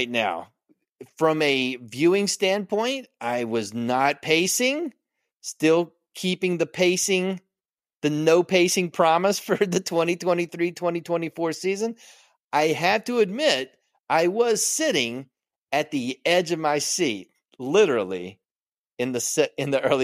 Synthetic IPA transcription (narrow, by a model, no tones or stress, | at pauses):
ɪtⁿna̰ʊ | fɹʌ̃mɨvjʉɪ̃ŋstæ̃n̚pʰɔ̃ɪ̃ntʔaɪwʌznət̚pʰeɪsɪ̃ŋ | stɪlˠ | kʰipɪ̃ŋðɨpʰeɪsɪ̃ŋ | ðɨnoʊpʰeɪsɪ̃ŋpʰɹ̥ɑməsfə˞ðɨtʰw̥ɛ̃ɾ̃itʰw̥ɛ̃ɾ̃iθɹitʰw̥ɛ̃ɾ̃itʰw̥ɛ̃ɾ̃ifɔɹsizɨ̃n | aɪɨd̚təɨd̚mɪɾ | ʔaɪwʌz̥sɪɾɪ̃ŋ | ɨt̪̚ðiɛd͡ʒʌvmaɪsit̚ | lɪɾə˞l̩ˠḭ | ɨ̃nðɨsɛɨ̃nðiʔɜ˞lˠi